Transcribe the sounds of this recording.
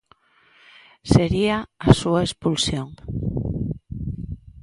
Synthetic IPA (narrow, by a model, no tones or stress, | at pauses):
seɾiaasuaespulsjoŋ